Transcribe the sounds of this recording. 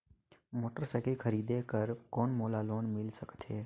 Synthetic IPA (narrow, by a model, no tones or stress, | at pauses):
moːʈəɾsɛːkikʰəɾiːd̪eːkəɾkoːnmoːlaːloːnmɪlsəkt̪ɦeː